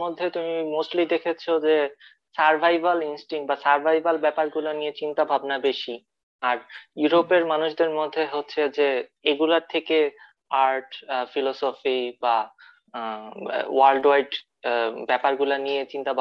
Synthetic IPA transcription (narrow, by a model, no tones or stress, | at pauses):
od̪ʱːet̪umimosʈlid̪ekʰet͡ɕʰod͡ʑe | saɾbʱajbalinsʈiŋʈ̚basaɾbʱajbalbɛpaɾɡulanijet͡ɕint̪abʱabnabeʃi | aɾjuɾopeɾmanuʃd̪eɾmod̪ʱːeɦotːɕʰed͡ʑeeɡulaɾt̪ʰeke | aɾʈfilɔsofiba | walɖwajɖ | bɛpaɾɡulanijet͡ɕint̪abʱa